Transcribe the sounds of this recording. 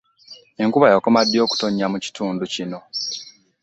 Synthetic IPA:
e̞ŋkuβajokomadːjo̞ːku̥to̞ɲːamuci̥tuːnducino̞

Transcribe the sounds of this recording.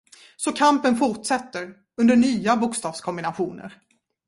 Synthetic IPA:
sɔkʰampənfʊʈsɛt̪ːəɾ | ɵnd̪əɳyːabʊkst̪ɑːvskʰɔmbɪnaɧuːnə̰ɾ

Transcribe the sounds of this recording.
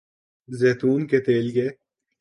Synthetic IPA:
zeːt̪uːnket̪eːlkeː

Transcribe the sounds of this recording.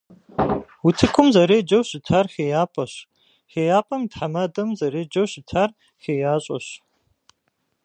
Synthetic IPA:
wʊtʰɨkʷʰʊmzɐɾeːd͡ʒɐwɕɪtʰarxeːjaːpʼɐɕ | xeːjaːpʼɐmdħamɐdɐmzɐɾeːd͡ʒɐwɕɪtʰaːr | xeːjaːɕʼɐ̰ɕ

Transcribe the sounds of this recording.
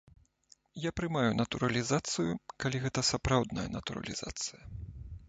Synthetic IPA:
japɾɨmajunɐt̪uɾɐlʲizat̪sɨjukalʲiɣɛt̪ɐsapɾawd̪nɐ̰jɐ̰nɐt̪uɾɐ̰lʲḭz̥a̰t̪sɨjɐ

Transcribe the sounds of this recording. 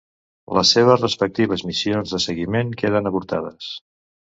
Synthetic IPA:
lə̰sːeβ̞əzrəspək̚t̪iβ̞əzmisionzðəsəɣimeŋkeð̞ənəβuɾt̪aðəs

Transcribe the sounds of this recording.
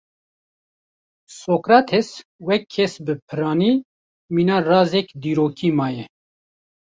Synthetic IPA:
soːkɾaːt̪ʰeswɛkʰːɛsbɨpʰɨɾɑːniː | miːnɑːrɑːzɛkd̪iːɾoːkʰimɑːjɛ

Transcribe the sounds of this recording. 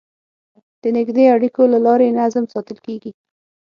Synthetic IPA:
d̪̥ənɪɡd̪eaɽikolalɑɾenazmsɑt̪əlkeɡi

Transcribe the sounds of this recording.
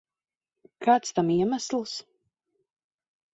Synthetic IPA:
kaːt̪st̪amiɛmæslˠs

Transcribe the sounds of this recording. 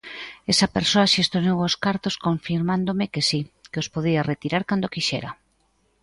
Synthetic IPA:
esɐpeɾsoɐʃest̪oznewoskaɾt̪oskoɱfiɾmand̪omekesikeospoðiaret̪iɾaɾkand̪okiʃḛɾɐ

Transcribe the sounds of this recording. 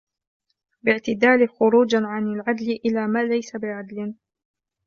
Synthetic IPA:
bɪʕt̪ɪd̪aːlɪxʊɾuːd͡ʒaʕanalʕad̪lɪʔɪlaːmaːlajsabɪʕad̪lɪn

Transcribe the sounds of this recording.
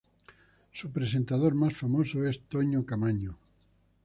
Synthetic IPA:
supɾesent̪að̞oɾmasfamosoest̪oɲokamaɲo

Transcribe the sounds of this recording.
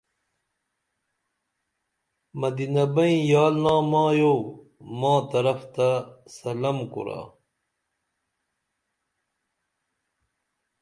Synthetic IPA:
mɐd̪inɐbɐĩjaːlnãːmãːjo | mãːt̪ɐɾɐft̪asɐlɐmkṵɾa̰ː

